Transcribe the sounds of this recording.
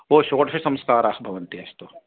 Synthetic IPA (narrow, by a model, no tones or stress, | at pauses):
ʋoːʃoːʈsesɐ̃mskaːɾaːkbʱɐʋənt̪iɐst̪oː